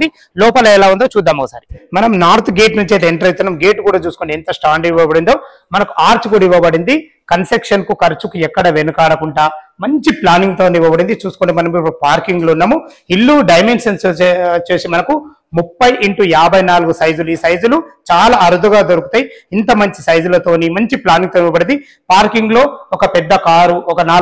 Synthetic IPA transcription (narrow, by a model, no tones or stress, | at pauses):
d̪i | lɔːpɐlɐɛlaːund̪oːt͡ʃuːd̪ːaːmɔkɐsa̰ːɾimɐnɐmnaːɾt̪ʰɡeːʈnuɲt͡ʃeːt̪̬eɛɳʈɐɾɐjt̪ːunːɐmɡe̞ːʈkuːɽaːt͡ʃuːsu̥koɳɖiint̪ɐsʈaːɳɖiiʋɐbɐɽind̪o̞ː | mɐnɐkuʔaːɾt͡ʃukuɽɐiʋɐbɐɽind̪i | kɐnsekʂɐnkukɐɾt͡ʃukuɛkːɐɽɐʋenukaːɽɐkuɳʈaːmɐɲt͡ʃiplaːniŋɡt̪o̞ːniʋɐbɐɽind̪it͡ʃuːsu̥koɳʈimɐnɐmipːuɽupaːɾkiŋɡlounːɐmuilːuɖɐjme̞nsɐnt͡ʃeːsimɐnɐku | mupːɐjʔiɳʈujaːbʱɐjnaːluɡusɐjd͡ʒuluiːsɐjd͡ʒulut͡ʃaːlaːɐɾud̪uɡaːd̪oɾukut̪ɐːjiint̪ɐmɐɲt͡ʃi̥sɐjd͡ʒulɐt̪o̞ːnimɐɲt͡ʃiplaːniŋɡ̚t̪oːniʋɐbɐɽind̪i | paːɾkiŋɡlo̞ːɔkɐpɛd̪ːɐkaːɾuɔkɐnaː